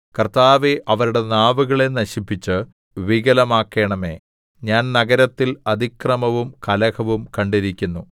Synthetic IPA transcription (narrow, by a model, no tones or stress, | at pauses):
kɐrt̪aːʋeʔɐʋɐɾuɽe̞naːʋuɣɐɭe̞nɐɕipːit͡ɕːɨ | ʋiɣɐlɐmaːkːe̞ːɳɐme̞̰ː | ɲaːnnɐɣɐɾɐt̪ːilɐd̪ʱikrɐmɐʋumkɐlɐɣɐʋumkɐɳɖiɾikʲːunːu